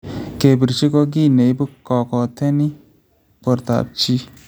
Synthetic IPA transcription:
ke˨bi˨ɾt͡ʃi˦kɔ˦ɡi˦˨ne˨i˦bu˦kɔ˨kɔ˨t̪ʰe˦ni˦ | pɔ˨ɾt̪a̰˨b̚t͡ʃi˦

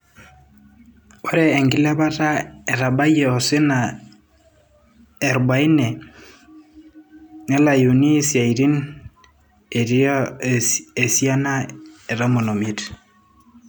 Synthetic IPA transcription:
o˦ɾɛː˨ŋɡɪ˦lɛ˦ba˦ta˦e˨ɾa˨ba˦jɛ˨ɔ˨sɪ˦na˨ | e˨ɾba˨i˦nɛ˨ | ne˦la˨ju˨ni˦sja˨i˨ɾi˦n | e˨ɾi˦ | e˨si˦a˦na˦e˨ɾa˦mo˨no˨mi˦t

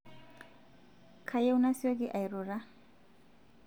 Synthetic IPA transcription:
kʰa˨je˦wu˦na˦si˦o˦ɡi˦ʔa˨jɾu˨ɾa˦

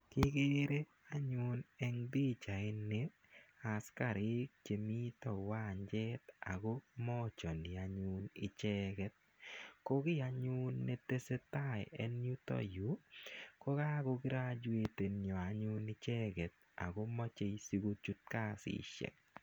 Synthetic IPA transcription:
kɪ˦ɡe˦ɾe˦ | a˦ɲʊ˦nɛ˦ŋd̪i˦t͡ʃa˨ɪ˦nːe˦ | a˨ska˨ɾɪ˦k̚t͡ʃe˨mi˦tɔ˨wa˦˨ɲd͡ʒɛ˦ta̰˨ɡo˦mɔ˦t͡ʃɔ˨nɪ˨a˨ɲunɪ˨t͡ʃɛ˦ɡɛ˦t̚ | ko˦kɪ˦a˨ɲu˦nːe˦te˦se˦ta˦˨jɛ˦n˦ju˦tɔ̰˦ju˨˦ko˦ka˦ɡo˧kɪ˦ɾa˦d͡ʒwe˨te˨nɲɔ˨a˨ɲʊ˦nɪ˦t͡ʃɛ˦ɡɛ˨t̚ | a̰˨ɡo˦mɔ˦t͡ʃe˦si˦ɡo˦t͡ʃu˦t̚ka˦sɪ̰ʃɛ̰˨k̚

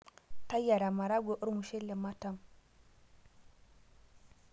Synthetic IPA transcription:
ta˦ja˨ɾa˨ma˨ɾa˦ɡʷe˨ʔu˦ɾmu˨ʃe˦le˨ma˦ta˦m

